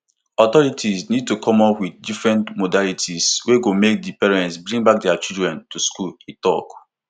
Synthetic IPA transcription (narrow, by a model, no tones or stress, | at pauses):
ɔtɔɹitʰisnid̚tukʰɔmɔpwiddifɹɛ̃ntmodalitʰisweɡomek̚dipɛɹɛ̃ntsbɹĩŋbak̚dɛat͡ʃidɹɛ̃ntuskuletɔ̰k